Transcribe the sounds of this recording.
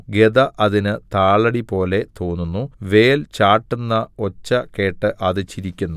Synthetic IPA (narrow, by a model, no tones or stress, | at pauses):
ɡeðɐʔɐðinɨt̪aːɭɐɽipo̞ːle̞t̪oːnːunːuʋe̞ːlt͡ɕaːʈːunːɐo̞t͡ɕːɐke̞ːʈːɨʔɐðɨt͡ɕːiɾikʲːunːu